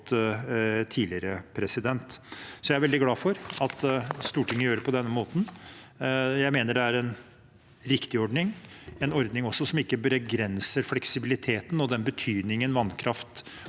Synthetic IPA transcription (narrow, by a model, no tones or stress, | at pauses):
t̪ | t̪ʰiːlɪəɾəpʰɾɛsɪd̪ɛnt̪sɔjæɪæɾʋɛld̪ɪɡlɑːfɔɾɑt̪st̪uːʈʰɪŋːəjøːɾəpʰɔd̪ɛnːəmoːt̪n̩ | jæɪmeːnəɖɛæɾɛn | ɾɪkt̪ɪɔɖnɪŋɛnɔɾd̪nɪŋɔsːɔsɔmɪkːəbəɾɛɡɾɛnsəɾflɛksɪbɪlɪt̪ʰeːt̪nɔd̪ɛnbət̪ʰyːd̪nɪŋənʋɑnkʰɾɑft̪